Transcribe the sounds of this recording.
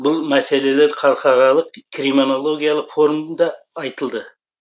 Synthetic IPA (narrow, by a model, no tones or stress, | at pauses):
bʊlˠmæse̞le̞leɾqʰɑɾqɑʁɑlˠəqkʲʰɾimino̞lˠo̞ɡʲijalˠəqfo̞ɾməd̪ɑː | jt̪əlˠd̪ə